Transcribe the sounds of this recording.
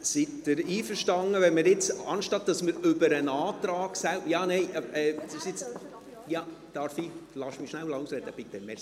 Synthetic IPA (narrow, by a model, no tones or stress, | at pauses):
sitdəɾiːfəɾʃtɑŋːəʋɛnməɾɪt͡sɑnʃtɑt̪̚d̥ɑsməɾʏbəɾənɑːt̪ɾɑːɡ̥sæljɑːnɛɪɛːsɪʃɪt͡s | jɑːd̥ɑːɾfilɑʃmiʃnæwlɑuːsɾɛd̪əb̥ɪt̪ːɛmɛ